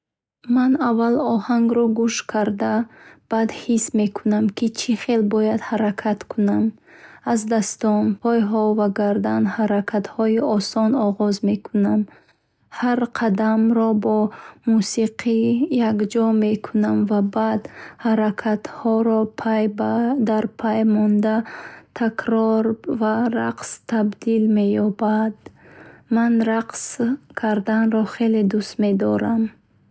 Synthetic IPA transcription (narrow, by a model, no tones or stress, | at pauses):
manavːalɔhaŋɡɾɔɡuʃkʰaɾd̪ab̥ad̪hisme̞kʰunamkit͡ʃʰiχe̞lbɔjad̪haɾakʰat̪kʰunam | azd̪ast̪ɔnpʰɔjɦɔvaɡaɾd̪anhaɾakʰat̪hɔiɔsɔnɔʁɔzme̞kʰunam | haɾqʰad̪amɾɔbɔmusiqʰijakd͡ʒɔme̞kʰunamvabad̪haɾakʰat̪hɔɾɔpʰajbad̪aɾpʰajmɔnd̪at̪ʰakɾɔɾvaɾaqst̪ʰabd̪ilme̞jɔbad̪manɾaqskʰaɾd̪anɾɔχe̞led̪ust̪me̞d̪ɔɾam